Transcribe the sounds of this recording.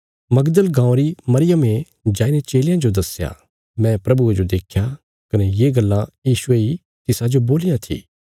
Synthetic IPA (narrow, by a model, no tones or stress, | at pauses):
mɐɡd̪əlɡãːõɾimɐɾɪjəmẽ | d͡ʒaːinet͡ʃeːlɪjãd͡ʒod̪ɐsja̰ | mɛ̃pɾɐbued͡ʒod̪eːkʰja | kɐnejeːɡɐlːãjiːsʊei | t̪ɪsad͡ʒoboːlɪjãt̪ʰḭː